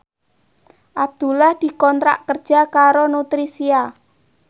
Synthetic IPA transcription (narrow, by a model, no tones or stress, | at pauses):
ʔab̚d̪̥ṳlahd̪̥i̤kɔnt̪ɾa̰ʔkərd̥ʒ̥a̤kaɾonut̪ɾisia